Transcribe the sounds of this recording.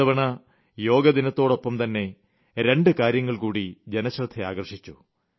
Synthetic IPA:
ɐʋɐɳɐ | jo̞ːɡɐd̪inɐt̪ːo̞ːɽo̞pːɐmt̪ɐnːe̞ | ɾe̞ɳɖɨkaːɾjɐŋːɐɭkuːɽid͡ʑe̞nɐɕrɐt̪ʰːɐa̰ːɡɐrʂit͡ɕːu

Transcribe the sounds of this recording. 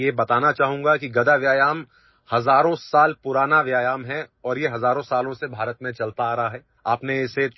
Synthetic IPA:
jebɐt̪aːnat͡ʃaːɦũːŋɡakiɡɐd̪aʋjaːjaːm | hɐzaːɾõsaːlpʊɾaːnaʋjaːjaːmɦɛɔːɾjeɦɐzaːɾõsaːlõsebʱaːɾət̪mẽt͡ʃɐlt̪aːɾɐɦaɦɛː | aːpnẽɪse

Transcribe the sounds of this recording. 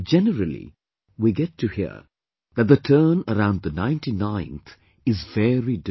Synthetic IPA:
d͡ʒɛnəɾəlḭ | wiɡɛtʰːɨhḭə̰ | ðæt̚d̪ətʰəːnəɾãʊ̃nd̪̚ðənãɪ̃ntinãɪ̃nt̪ | ɪzvɛɹid

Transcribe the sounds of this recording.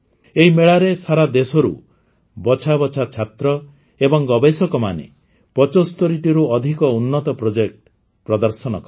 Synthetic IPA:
eɦimeɭaɾesaɾad̪esɔɾṵ | bɔt͡ʃʰabɔt͡ʃʰat͡ʃʰat̪ɾɔ | ebɔŋɡɔbesɔkɔma̰nḛ | pɔt͡ʃɔst̪ɔɾiʈiɾuɔd̪ʱikɔunːɔt̪ɔpɾod͡ʒek̚ʈ | pɾɔd̪ɔɾsɔnɔkɔ

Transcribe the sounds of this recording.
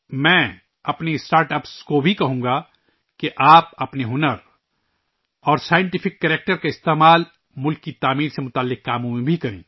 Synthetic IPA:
mɛ̃ː | ɐpnesʈaːɾʈɐpskobʱikɐɦũːŋɡa | keʔaːpɐpneɦʊnəɾ | ɔːɾsaːjɪ̃ɳʈɪfɪkːɛːɾeːk̚ʈəɾkaɪst̪eːmaːl | mʊlkːit̪aːmiːɾsemʊt̪aːlːɪqːaːmõmẽbʱikɐɾḛ̃ː

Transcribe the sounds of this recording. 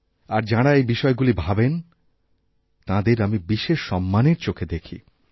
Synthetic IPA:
aɾd͡ʑaɽaejbiʃɔeɡulibʱaben | t̪ãd̪eɾamibiʃeʃːɔmːaneɾt͡ɕokʰed̪ekʰḭ

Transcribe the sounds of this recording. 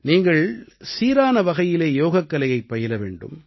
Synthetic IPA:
niːŋɡɐɭsiːɾaːnɐʋɐɣɐjɪleːjoːɣɐkːɐlɐjɐɪpːɐjɪlɐʋḛːɳɖɯ̰m

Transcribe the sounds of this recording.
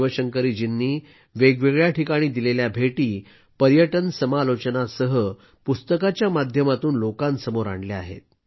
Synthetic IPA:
ʋəɕəŋkəɾiːd͡ʑinːiː | ʋeɡʋeɡɭjaʈʰikaɽ̃iːd̪ileljabʱeʈiː | pəɾjəʈənsəmalot͡ɕənasəɦə | pust̪əkat͡ɕjamad̪ʱjəmat̪uːnlokãnsəmoɾa̰ɳlea̰ɦḛt̪̚

